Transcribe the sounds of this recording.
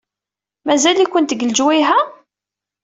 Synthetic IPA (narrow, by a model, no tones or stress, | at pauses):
mæzælikʷːənt̪əɡəld͡ʒwiɦæ